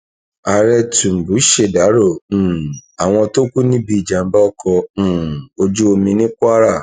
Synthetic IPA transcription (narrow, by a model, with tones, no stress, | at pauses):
a˨ɾɛ˧tũ˨m̩˨bu˨˦ʃe˨da˨˦ɾõ˦˨a˨w̃ɔ̃˧to˦kʷu˦nĩ˦bi˦˧i˨d͡ʒa˨m̩˦ba˦ɔ˦kɔ̃˧˨o˧d͡ʒu˦o˧mĩ˧nĩ˦ka˦ɾa˦˨